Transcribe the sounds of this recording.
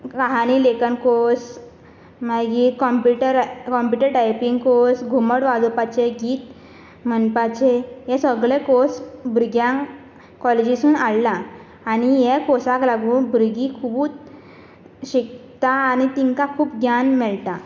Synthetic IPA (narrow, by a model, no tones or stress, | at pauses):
kaɦanilekənkos | maɡikɔmpuʈəɾkɔmpjuʈəɾʈajpiŋɡkosɡʱuməɽʋad̪upat͡ɕeɡiːt̪ | mənpat͡ɕeɦɛ̃səɡɭekosbʱɾɡjã | kɔled͡ʑisuːnaɭlaː | nijɛkosaklaɡuːnbʱɾɡikʰubuːt͡s | ɕikt̪aːnit̪iŋkãkʰuːpɡjanmɛɭʈ̪a